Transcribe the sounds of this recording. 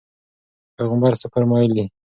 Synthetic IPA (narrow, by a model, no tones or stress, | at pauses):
pejɣəmbaɾsəfaɾmɑjəli